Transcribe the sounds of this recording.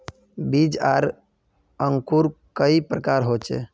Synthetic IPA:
bid͡ʒaɾ | əŋkuɾkəipɾəkaɾɦot͡ʃḛ

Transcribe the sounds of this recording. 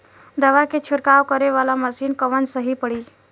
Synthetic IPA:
d̪əʋaket͡ʃʰiɽkaʋkəɾeʋalaməsiːnkəʋənsəɦipəɽiː

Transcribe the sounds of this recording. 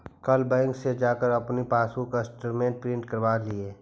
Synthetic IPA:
kɐlbãːɪŋksed͡ʒaːkəɾɐpnipaːsũkasʈəɾmẽːʈ̚pɾɪ̃ɳʈkəɾʋaːlieː

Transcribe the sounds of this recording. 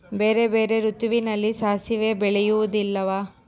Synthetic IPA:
beːɾebeːɾe̞ɾut̪uʋinɐlːisaːsiʋe̞ːbɛɭɛjuʋɐd̪ilːɐʋaː

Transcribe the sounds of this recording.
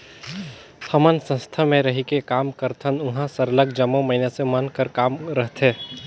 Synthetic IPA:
t̪ʰəmənsə̃st̪ʰamẽɾəɦikekaːmkəɾt̪ʰənʊɦãsəɾələɡd͡ʒəmːoməɦinesemənkəɾkaːmɾəɦt̪ɦẽː

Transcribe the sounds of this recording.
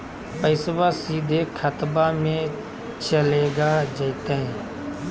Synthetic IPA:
pəɪsʋaːsiːd̪eːkʰət̪baːmẽː | t͡ʃəleːɡaːd͡ʒəit̪eẽː

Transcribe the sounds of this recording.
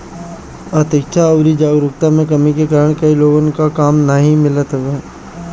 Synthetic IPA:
at̪ɪkt͡ʃʰaɔːɾid͡ʒaːɡɾʊk̚t̪amẽkɐmikekaːɾəɽ̃kɐiloːɡnkakaːmnəɦĩmɪlət̪ɦʋeː

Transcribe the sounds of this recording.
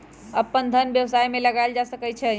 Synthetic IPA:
əpːənd̪ʱənbjəwsajmeləɡaeld͡ʒasəkɛt͡ʃʰɛ

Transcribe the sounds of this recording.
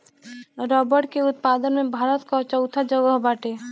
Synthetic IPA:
ɾɔːbəɾʈkeʊt̪̚paːd̪ənmẽbʱaːɾət̪kat͡ʃəʊt̪ʰad͡ʒəɡəɦbaːʈeː

